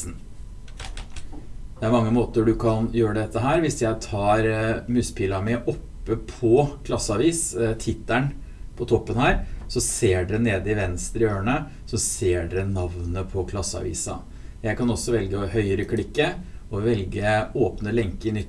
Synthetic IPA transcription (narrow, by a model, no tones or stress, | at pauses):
n̩ | d̪̥ɛæɾmɑŋːəmoːt̪əɖʉkʰɑnjøːɾəd̪ɛt̪ːəɦæːɾʋɪsjæɪt̪ʰɑːɾmʉspʰiːlɑmɪʔɔpːəpʰɔkʰlɑsːəɑʋiːst̪ʰɪt̪ːæɳ | pʰɔt̪ʰɔpːənhæːɾsɔseːɖɛneːd̪əɪʋɛnst̪ɾɪøːɳə | sɔseːɖɛnɑʋnəpʰɔkʰlɑsːəɑ̰ʋḭːsɑ̰ | jæɪkɑnɔsːɔʋɛlɡəɔhœʏəɾəkʰlɪkːəɔʋɛlɡəoːpnəlɛŋkəɪnʏt̪ː